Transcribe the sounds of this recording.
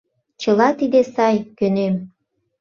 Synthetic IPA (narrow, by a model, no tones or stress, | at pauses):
t͡ɕəlɑt̪id̪esɑjkønem